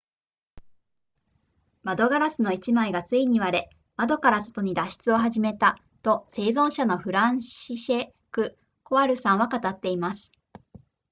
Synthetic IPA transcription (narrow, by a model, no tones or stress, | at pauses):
mad̪o̞ɡaɾasɨno̞it͡ɕimaiɡat͡sɨiɲ̟iβaɾe̞ | mad̪o̞kaɾaso̞̥t̪o̞ɲ̟id̪aɕi̥t͡sɨo̞ɦaʑime̞t̪a | t̪o̞se̞ːzõ̞ɰ̃ɕano̞ɸɯ̟ɾãɰ̃ɕiɕe | kɯ̟ | ko̞aɾɯ̟sãɰ̃βakat̪at̪ːe̞imasɨ̥